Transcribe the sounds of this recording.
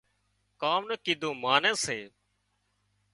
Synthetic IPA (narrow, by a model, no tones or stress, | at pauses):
kaːmnəkiːd̪ʱõːmaːnẽːseː